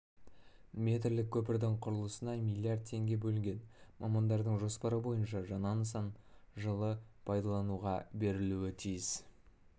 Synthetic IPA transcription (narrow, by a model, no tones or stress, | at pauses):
mʲe̞t̪̬ɪɾlɪkʲʰɵp̬ɪɾd̪ɪŋqʰʊɾəlˠəsənɑmʲijlʲiard̪̚t̪ʰːe̞ŋɡʲe̞bɵlɪŋʲɡʲe̞nmʔɑmɑnd̪ɑɾd̪əɴʒo̞spɑɾəbo̞jənʃɑʒɑnɑnəsɑnʒəlˠəpʰɑjd̪ɑlˠɑnuʁɑbe̞ɾɪluɪt̪ʰijɪs